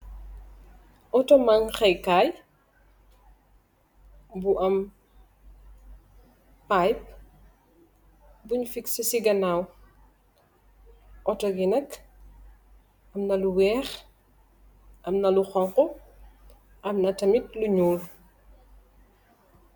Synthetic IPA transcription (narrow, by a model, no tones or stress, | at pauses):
ʔɔtɔmaŋxɐjkaːj | buʔɐm | pajp̚ | buɲufiksɐsiɡɐnaw | ʔɔtɔɡinɐk | ɐmnɐluwɛːx | ʔɐmnɐluxɔŋqɔ | ʔɐmnɐtɐmit̚luɲuːl